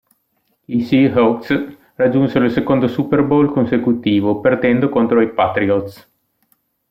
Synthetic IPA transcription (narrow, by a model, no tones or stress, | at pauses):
isiɦos | rad͡ʒːunseɾoilsekond̪osuperbolkonsekut̪iːvopert̪ɛnd̪okont̪ɾoipat̪ɾiot̪s